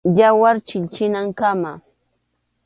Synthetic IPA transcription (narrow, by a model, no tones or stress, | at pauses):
jawaɾt͡ʃɪʎt͡ʃɪnaŋkama